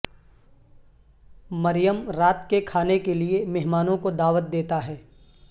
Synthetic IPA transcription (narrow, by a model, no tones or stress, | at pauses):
mɐɾɪjəmɾaːt̪kekʰaːnekeliemɛɦmaːnõkod̪aːʋət̪̚d̪eːt̪aɦɛː